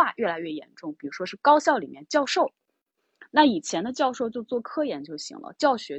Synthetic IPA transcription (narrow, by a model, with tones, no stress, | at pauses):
a˥˧ɥɛ˥˩la˧˥ɪɥɛ˥˩jɛ̰˧˥nʈ͡ʂʊ˥˩ŋpi˨˩ɻu˧˥ʂwɔ˥ʂɻ̩˥˩kɑ˥ʊɕjɑ˥˩ʊli˨˩mjɛ˥˧nt͡ɕjɑ˥˧ʊʂo˥˩ʊ | na˥˩i˨˩t͡ɕʰjɛ˧˥nd̪ə˧t͡ɕjɑ˥˧ʊʂo˥˧ʊt͡ɕjo˥˧ʊt͡swɔ˥˩kʰɤ˥jɛ˧˥nt͡ɕʰjo˧˥ʊɕḭ˧˥ŋlə̰˧t͡ɕjɑ˥˩ʊɕɥɛ˧˥